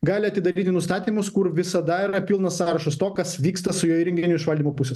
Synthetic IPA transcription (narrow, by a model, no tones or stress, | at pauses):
ɡɑːlʲɪɐt̪ʲɪd̪ɐɾʲiːt̪ʲɪnʊst̪ɑːt̪ʲiːmʊskʊɾʋʲɪsɐd̪ɐɪɾɐpʲɪlˠnɐssɑːɾɐʃɐst̪oːkɐsʋʲiːkst̪ɐsʊjoːiɾʲɛŋʲɡʲɪnʲʊɪʃʋɐlʲd̪ʲiːmoːpʊsʲɛs